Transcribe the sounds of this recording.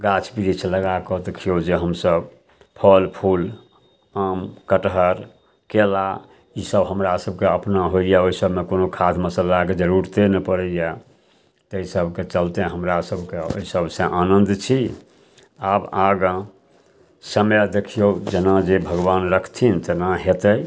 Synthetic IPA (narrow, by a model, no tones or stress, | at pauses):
ɡat͡ʃʰbiɾit͡ʃʰləɡakɔd̪ekʰijod͡ʒeɦəmsəb | pʰəlpʰul | amkəʈɦəɾ | kela | isəbɦəmɾasəbʱkeəpnaɦoijaoɦisəbʱmekonokʰat̪ʰməsəlaked͡ʒəɾuɾt̪enɛpəɾəjja | t̪eisəbket͡ʃəlt̪eɦəmɾasəbʱkeo̰isəbʱsə̃ʔanə̃nd̪t͡ʃʰi | abaɡə̃ | səmjəd̪ekʰijod͡ʒenad͡ʒebʱəɡbanɾəkʰt̪ʰint̪enaɦet̪əj